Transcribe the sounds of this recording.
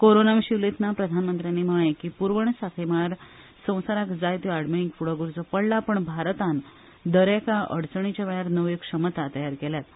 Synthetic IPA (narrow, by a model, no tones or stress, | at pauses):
koɾonamɕiʋlet̪ʰnapɾəd̪ʱanmənt̪ɾjanːiməekipuɾʋəɳ̃sakʰemaɾ | sə̃w̃saɾakd͡zajt̪iaɽmeiŋkfuɽəɡuɾt͡sɔpəɽlapəɳbʱaɾt̪ãn | d̪əɾekaʔəɽt͡səɳ̃it͡ɕaʋajaɾnəʋekʂəmət̪at̪əjaɾkeljat̪